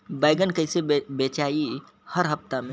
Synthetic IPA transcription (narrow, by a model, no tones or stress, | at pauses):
baːɪɡənkɐɦɪsebeːt͡ʃaːi | həɾɦɐpt̪amẽ